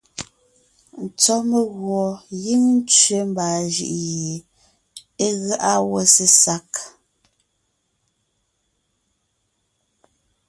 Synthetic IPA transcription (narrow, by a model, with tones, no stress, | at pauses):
n̩˨t͡sɔ˦me˨ɣwɔ˨ji˦ŋn̩˦t͡ʃɥe˨˦mbaː˨ʒḭ˦˨ʔje˨ | e˦ɣa˦ʔa˦wo˦˨se˨sa˦k